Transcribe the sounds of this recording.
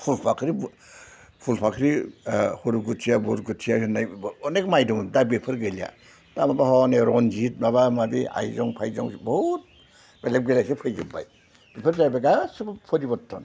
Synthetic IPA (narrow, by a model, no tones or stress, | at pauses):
pʰulpʰakʰɾi | pʰulpʰakʰɾihuɾuɡutʰijabuɾɡutʰijasɯnajɔnek̚majdɔmdabipʰɯɾɡɯlija̰ | tamabahɔneɾɔnd͡ʒit̚maβamadia̰jzɔŋpʰajzɔ̰ŋbɔhut̚ | belep̚ɡelajsepʰɯjɡɯba̰j | b̥ipʰɯɾzajbaɡasɯbpʰɔɾibɔtʰːɔn